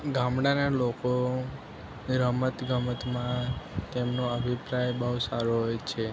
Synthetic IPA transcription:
ɡãmɽanaloko | ɾəmət̪ɡʱəmət̪mãt̪emnoəbʱipɾajbəɦusaɾoɦojt͡ʃʰe

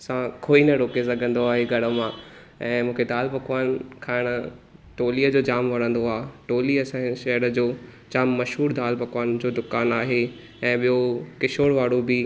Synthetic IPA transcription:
sãkʰoːinɐɾoːkesɐɡʱə̃nd̪oaːɦeɡʱɐɽə̆mã | ɛ̃ːmũːkʰed̪aːlpɐkʋaːnkʰaːɪɽ̃ʊ̆ʈoːliːəd͡ʑoːd͡ʑaːmʋɐɽ̃ə̃nd̪oaːʈoːliɐsãʃɐɦəɾə̆d͡ʑoː | d͡ʑaːmːɐʃɦuːɾd̪aːlpɐkʋaːnd͡ʑoːd̪ʊkaːnaːɦe | ɛ̃ːɓijokɪʃoːɽʋaːɽobɪ

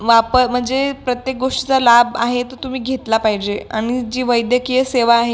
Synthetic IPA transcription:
ʋapəɾm̤əɳd͡zepɾət̪jek̚ɡoʂʈi̥t͡salaba̰ɦet̪ət̪um̤iːɡʱet̪lapaɦid͡ʑea̰ɽ̃id͡ʑiːʋəjd̪jəkieseʋaːɦe

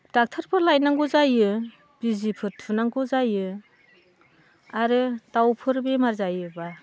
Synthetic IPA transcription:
d̥ak̚tʰɾpʰɯɾlajnaŋɡuzajɯ | b̥izipʰɯɾtʰunaŋɡuzajɯ | aɾɯtawpʰɯɾbemaɾzajɯba

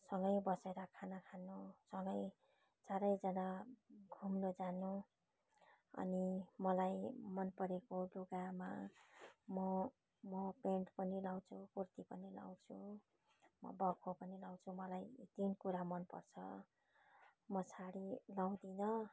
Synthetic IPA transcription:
sʌŋɡʌjbʌseɾʌkʰanakʰanːusʌŋɡʌj | t͡saɾʌjd͡zʌnaɡʱumnod͡zanu | ʌ̰nimʌlajmʌnpʌɾekoluɡama̰ | mʌ | mʌpeɳʈpʌnilaw̃t͡sʰukurt̪ipʌnila̰w̃t͡sʰu | mʌ̰bʌkʰopʌnilaw̃t͡sʰumʌlajt̪inkuɾamʌnpʌ̰rt͡sʰʌ̰ | mʌsʰaɽilaw̃d̪inʌ

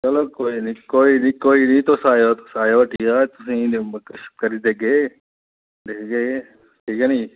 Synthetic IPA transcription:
t͡ʃɐloːkoːinikoːinikoːinĩt̪osaːjot̪o̥saːjoʈʰiːkat̪ʊsĩkəʃt̪̚kɐɾid̪eːke | d̪eːkɡe | ʈʰiːkɛːnĩ

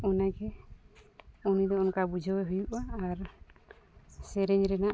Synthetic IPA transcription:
ɔnaɡɛ | ɔnid̪ɔɔnkabud͡ʒʱɔwɛɦujuʔaːɾ | sɛɾɛɲɾɛnaʔ

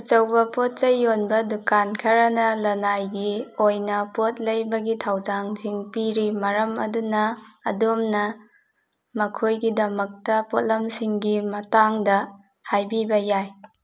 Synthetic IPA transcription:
ut͡ʃɐwbɐpot̚t͡ʃɐjːonbɐdukankʰɐɾɐnɐlɐnajɡiojnɐpot̚lɐjbɐɡitʰawzaŋsiŋpiɾimɐɾɐmɐ̰dunɐ̰ːdomnɐ | mɐkʰojɡidɐmɐk̚tɐpot̚lɐmsiŋɡimɐtaŋdɐ | hajbibɐjaj

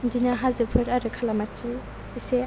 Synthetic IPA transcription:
dinaɦazɯpʰɯɾaɾɯkʰalamatʰi | ise

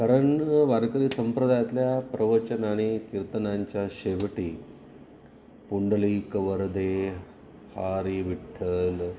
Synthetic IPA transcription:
kaɾəɳʋaɾkəɾiːsəmpɾəd̪ʱajat̪ljapɾəʋət͡ɕənaɽ̃ikiɾt̪ənaɲt͡ɕjaɕeʋʈiː | puɳɖəliːkʋəɾd̪e | haɾiʋiʈʰːəl

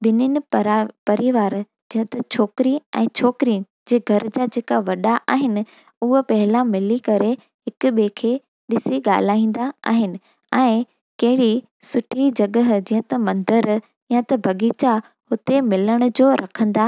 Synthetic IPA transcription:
ɓɪnɪnɪ̆pɐɾiʋaːɾ | d͡ʑĩːə̃t̪ɐt͡ɕʰoːkɾiɛ̰̃ːt͡ɕʰoːkɾi | d͡ʑeːɡʱɐɾd͡ʑad͡ʑeːkaʋɐɗaʔa̰ːɦɪnɪ̆ | ʊɦəpɐɦɪlãmɪlikɐɾe | ɦɪkʊ̆ɓekʰeː | ɗɪsiɠa̰ːl̤aːĩːn̆d̪aa̰ːɦɪnɪ̆ | ɛ̃ː | kɐɦɪɽi | sʊʈʰid͡ʑɐɠəɦd͡ʑĩːɦə̃t̪ɐmɐ̃nd̪əɾ | jə̃t̪ɐbʱɐɠiːt͡ɕa | hʊt̪emɪləɽ̃ʊ̆d͡ʑoːɾʔɐkʰə̃nd̪aː

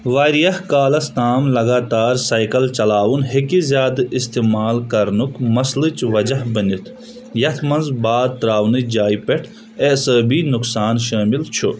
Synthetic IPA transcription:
ʋaːɾijɐhkaːlɐst̪aːmlɐɡaːt̪aːɾsaːjkɐlt͡ʃɐlaːwunhekizjaːd̪ɨʔist̪imaːlkɐɾnukmɐslɨt͡ʃʋɐd͡ʒɐhbənit̪ʰ | jɐt̪ʰmɐnzbaːd̪̚t̪ɾaːwnɨd͡ʒaːjpeʈʰ | eːsəːbinuksaːnʃaːmilt͡ʃʰu

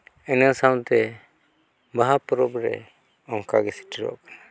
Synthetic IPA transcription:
ɛnasaw̃t̪ɛ | baɦapɔɾɔbɾɛ̰ | ɔŋkaɡɛsi̥ʈiɾɔ̰a̰kana

